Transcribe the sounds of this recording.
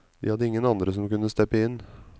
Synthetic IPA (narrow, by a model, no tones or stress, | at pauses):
ʋ̪ɪ̰hɑd̪ːəɪŋːənɑnd̪ɾəsɔmkʉnːəst̪ɛpːəɪnː